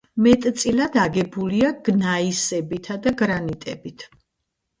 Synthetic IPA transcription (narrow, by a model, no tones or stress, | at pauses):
mɛt̪ʼt̪sʼilad̪aɡɛbuliaɡ̥naisɛbit̪ʰad̪aɡɾanit̪ʼɛbit̪ʰ